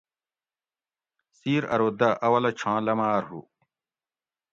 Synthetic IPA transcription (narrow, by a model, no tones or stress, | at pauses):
siːɾɐ̰ɾoːd̪ɐʔɐwɐlɐt͡ɕʰãːlɐmaːɾɦṵ